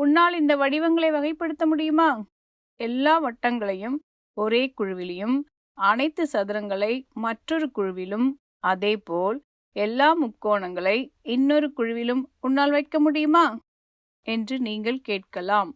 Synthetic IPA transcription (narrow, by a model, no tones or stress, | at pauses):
ʊnːaːlɪnd̪ɐʋɐɽɪʋɐŋɡɐɭɐɪʋɐɣɐɪpːɐɽɯt̪ːɐmʊɽɪjɯmaː | ɛlːaːʋɐʈːɐŋɡɐɭɐjɯm | ɔɾeːkʊɻɯʋɪlɐjɯm | ɐnɐɪt̪ːɯsɐðɪɾɐŋɡɐɭɐɪmɐʈrɔɾɯkʊɻɯʋɪlɯm | ɐðeːpoːl | ɛlːaːmʊkːoːɳɐŋɡɐɭɐɪɪnːɔɾɯkʊɻʊʋɪlɯmʊnːaːlʋɐɪʈ̚kɐmʊɽɪjɯmaː | ɛndrɯniːŋɡɐɭkeːʈ̚kɐɭaːm